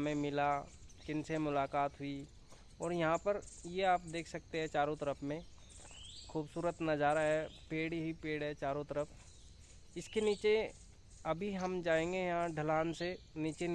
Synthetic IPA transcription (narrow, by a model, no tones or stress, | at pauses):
mẽmɪlakɪnsemʊlaːkaːt̪ɦʊi | ɔːɾjɐɦãpəɾjeaːpd̪eːkʰsɐk̚t̪eɦɛ̃t͡ʃaːɾot̪əɾəpʰmẽ | kʰuːbsuːɾət̪nəd͡ʒaːɾaɦɛpeːɽɦipeːɽɦɛt͡ʃaːɾot̪əɾəpʰ | ɪskeniːt͡ʃe | ɐbʱiɦəmd͡ʒaːẽːŋɡejɐɦãɖʱəlaːnseniːt͡ʃen